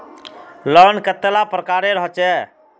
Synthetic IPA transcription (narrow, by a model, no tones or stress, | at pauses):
ləɾnkət̪ːelapɾəkaɾeɾəɦt͡ʃɛ